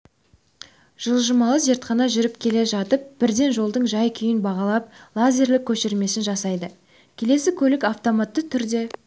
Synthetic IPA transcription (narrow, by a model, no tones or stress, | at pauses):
ʒ̥əlˠʒəmɑlˠəze̞ɾt̪qɑnɑʒʏɾɪp̚kʲʰe̞le̞ʒɑt̪əp̚b̥ɪɾd̪e̞nʒo̞lˠd̪əɴʒɑjkʲʰʏjɪnbɑʁɑlˠɑp̚lˠazʲeɾlɪkʲʰːɵʃeɾme̞sɪnʒɑsɑjd̪ə | kʲʰe̞le̞sɪkʲʰɵlɪkaft̪o̞mat̪ːət̪ʰʏɾd̪e̞